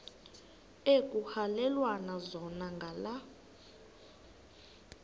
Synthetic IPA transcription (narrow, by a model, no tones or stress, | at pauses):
ekʼuhalɛlwanazɔnaŋɡʱala